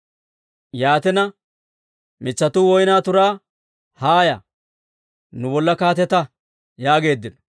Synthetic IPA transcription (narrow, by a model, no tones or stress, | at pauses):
jaːt̪ɛnɐ | mɪt͡ʃːɐt̪ʊwɔjnaːt̪ʊɾaː | haːjɐ | nʊbɔlːɐkaːt̪ɛt̪ɐ | jaːɡe̞ːd̪ːɪnɔ